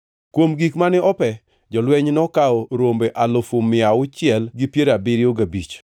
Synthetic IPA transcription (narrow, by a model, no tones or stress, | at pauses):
kwomɡikmanɪʔɔpɛ | d͡ʒɔlwɛɲnɔkaɔɾombeʔalofʊmɪaʊt͡ʃɪɛlɡɪpjeɾabɪɾɪoɡabit͡ʃ